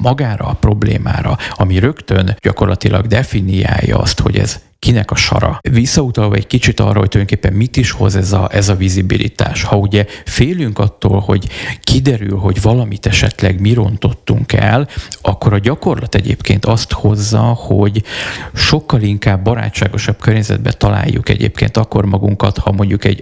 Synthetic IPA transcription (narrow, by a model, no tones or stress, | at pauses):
mɒɡaːɾɒpro̞blḛːma̰ːɾɒɒmiɾø̞kt̪ø̞nɟɒko̞rlɒt̪ilʔɒɡd̪ɛfinija̰ːjːɒ̰ɒ̰st̪ho̞̰ɟɛ̰z̥ | kinɛkɒʃɒ̰ɾɒ̰visːɒut̪ɒlvɒɛɟkit͡ʃit̪ɒ̰rːɒɦo̞c̚t̪ujnokeːpːɛmːit̪iʃho̞zɛzɒʔɛzɒvizibilʔḭt̪a̰ːʃhɒuɟɛfeːlyŋkɒt̪ːoːlho̞ɟkid̪ɛɾylɦo̞ɟvɒlɒmit̪ɛʃɛt̪lɛɡmiɾo̞nt̪o̞t̪ːuŋkɛlɒkːo̞ɾɒɟɒko̞rlɒt̪ɛɟeːpkeːnt̪ɒst̪ho̞zːɒhoɟʃo̞kːɒliŋkaːbːɒɾa̰ːt͡ʃːaːɡo̞ʃɒb̚kørɲɛzɛ̰d̪̚bɛt̪ɒla̰ːjːṵkɛ̰ɟḛːpkḛːnt̪ɒkːo̞rmɒɡuŋkɒt̪hɒmo̞ɲɟukɛɟ